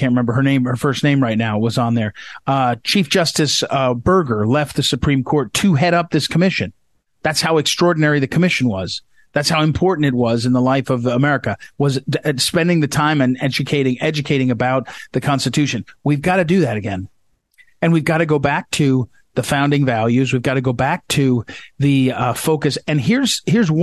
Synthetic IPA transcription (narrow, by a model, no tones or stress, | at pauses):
æ̃n̚ɹɨmɛ̃mbə˞ə˞nẽɪ̃mə˞fɜ˞sⁿnẽɪ̃mɹaɪt̚ⁿnaʊwʌzn̩ðə˞ | t͡ʃʰifd̥ʒ̥ʌstɨsbɜ˞ɡə˞lɛft̪̚ðɨsɨpʰɹ̥ĩmkʰɔɹtʰɨɦɛɾʌp̚ðɪskʰəmɪʃɨ̰̃n | ðætshaʊɨkstɹ̥ɔɹdⁿn̩ɛɹiðɨkʰəmɪʃɨ̃n̩wʌz̥ | ðætshaʊɨ̃mpʰɔɹʔn̩tɨt̚wʌzɨ̃nðəlaɪfʌvəmɛɹɨkɨwʌzspɛ̃ndɪ̃ŋðɨtʰãɪ̃mɨ̃nɛd͡ʒɨkʰeɪɾɪ̃ŋɛd͡ʒɨkʰeɪɾɪ̃ŋɨbaʊt̪̚ðɨkʰɑ̃nstɨtʰʉʃɨ̃nwivɡɑɾɨdɨðɨɾɨɡɛ̃n | ɨ̃nwivɡɑɾɨɡoʊbæk̚tʰɨ | ðɨfãʊ̃ndɪ̃ŋvælˠjʉzwivɡɑɾɨɡoʊbæk̚tʰɨðɨfoʊkɨsɨ̃nɦɪɹz̥hɪɹz